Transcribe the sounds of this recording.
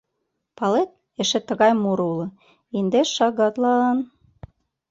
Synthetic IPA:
pɑlet̪̚ | ĕʃĕt̪ːə̆ɣɑjmuɾulɤ̆ | ind̪eʃɑɣɑt̪lɑn

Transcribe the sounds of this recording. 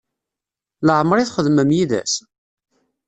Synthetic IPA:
ləʕmɾˤiθχəðməmjiðæ̰s

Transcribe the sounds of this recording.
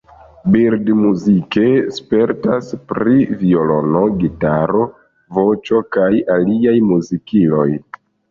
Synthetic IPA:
biɾdmuzike̞spe̞ɾtaspɾiviolo̞noɡitaɾo̞ | vo̞t͡ʃo̞kajaliajmuzikilo̰j

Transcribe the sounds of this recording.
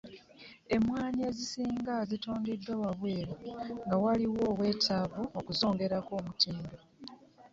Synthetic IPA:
e̞mwaːɲiezisiːŋɡazituːndidːawaβweːɾoŋɡawaliwo̞ːβwe̞ːtʰaːβoːkuzo̞ːŋɡe̞ɾako̞ːmutiːndo

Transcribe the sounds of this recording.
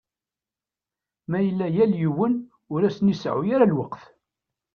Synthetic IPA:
mæjəlːæjæljəwːən | ʊɾæsnisʕʊ̰jaɾalwəqθ

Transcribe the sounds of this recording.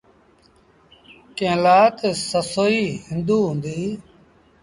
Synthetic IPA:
kẽːlaːt̪səsoːiːɦɪ̃nd̪uːɦʊ̃nd̪iː

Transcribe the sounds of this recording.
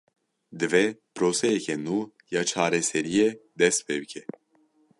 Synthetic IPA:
d̪ɨvɛpɾosɛkʲɛnu | jat͡ʃʰaːɾɛsɛɾijed̪ɛspɛwkʲʰɛ

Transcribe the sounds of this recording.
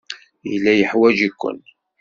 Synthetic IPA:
jəlːæjəħwæd͡ʒikʷːə̰n

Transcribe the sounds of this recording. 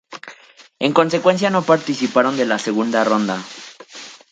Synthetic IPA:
e̞ŋko̞nse̞kwe̞ns̬jano̞paɾt̪isipaɾo̞nd̪e̞lase̞ɣund̪arond̪a

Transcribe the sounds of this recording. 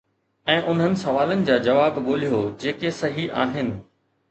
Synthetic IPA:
ɛ̃ːʔʊn̤ɦənɪ̆sɐʋaːlənɪ̆d͡ʑaːd͡ʑɐʋaːbɠoːl̤ijod͡ʑeːkesɐɦiʔaːɦɪnɪ̆

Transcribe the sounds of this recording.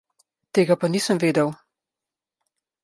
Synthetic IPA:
t̪eːɡapaniːsəmveːd̪əw

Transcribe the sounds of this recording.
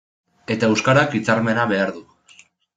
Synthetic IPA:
e̞t̪aewskaɾakit͡saɾme̞naβe̞aɾðu

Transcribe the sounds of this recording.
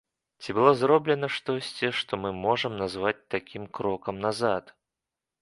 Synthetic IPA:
t͡sʲibɨlˠɔzɾɔblʲɛnɐʂt̪ɔsʲt͡sʲiʂt̪ɔmɨmɔʐəmnazvat͡sʲt̪akʲimkɾɔkɐmnazat̪

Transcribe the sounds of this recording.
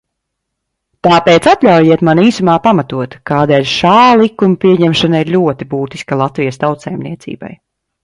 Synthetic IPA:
t̪aːpeːt̪sat̪ʎʲawjiɛt̪maniːsumaːpamat̪uɔt̪kaːd̪ɛːʎʲʃaːlˠikːumpiɛɲɛmʃanaiɾʎʲuɔt̪ibuːt̪i̥skalˠat̪vijəst̪awt̪sajmniɛt̪sḭːba̰j

